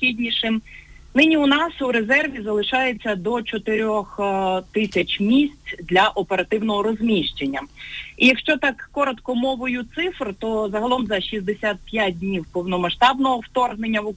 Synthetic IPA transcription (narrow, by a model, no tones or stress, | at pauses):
xʲidʲnʲiʃɪm | nɪnʲiʊnɑsuɾe̞zɛrʋʲizɐlˠɪʃɑjet͡sʲːɐd̪ɔt͡ʃɔt̪ɪɾʲɔxt̪ɪsʲɐt͡ʃmʲisʲtt͡sʲd̪lʲɐʔɔpeɾɐt̪ɪwnɔɦɔɾɔzmʲiʃt͡ʃenʲːɐijɐkʃt͡ʃɔt̪ɑkːɔɾɔt̪kɔmɔʋʊjʊt̪sɪfrt̪ɔzɐɦɐlˠɔmzɐʃizd̪esʲat̪̚pʲjat̚ʲdʲnʲiwpɔwnɔmɐʃt̪ɑbnɔɦɔwt̪ɔrɦne̞nʲːɐʋʊ